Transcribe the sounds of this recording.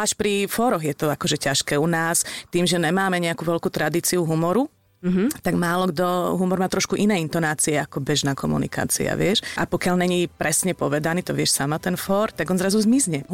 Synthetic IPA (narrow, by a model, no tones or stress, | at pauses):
aʃpɾifɔːɾɔɣjɛt̪ɔakɔʒɛcaʃkɛːunaːst̪iːmʒɛɲɛmaːmɛɲɛakuʋɛlkuːt̪ɾad̪iːt͡siuɦumɔɾu | ɦ̩t̪aɡmaːlɔɡd̪ɔɦumɔɾmaːt̪ɾɔʃkuʔinɛːint̪ɔnaːt͡siɛakɔbɛʒnaːkɔmṵnḭka̰ːt͡sḭa̰ʋɪɛʃʔapɔkɪaʎnɛɲipɾɛsɲɛpɔʋɛd̪anit̪ɔʋɪɛʃsamat̪ɛnfɔːɾt̪aɡɔnzɾazuzmizɲɛ